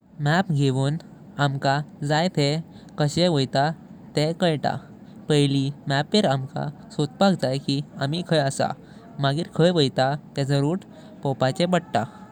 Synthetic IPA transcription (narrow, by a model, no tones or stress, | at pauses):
mæpɡʱeʋuːn | amkad͡zajt̪ʰe | kəɕeʋəjt̪at̪ekəɭʈ̪a̰ | pəjlimæpeɾamka̰sot̪̚pakd͡zajkiamikʰəjəsa̰ | maɡiːɾkʰəjʋəjt̪at̪et͡səɾuːʈ | pɔpat͡ɕẽbəɽʈ̪a̰